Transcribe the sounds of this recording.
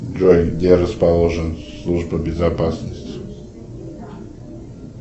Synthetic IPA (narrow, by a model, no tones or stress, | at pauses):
d͡ʒɔjɡd̪ʲeɾɐspalˠɔʐənslˠuʐbəbʲɪzapasnəsʲtʲɪ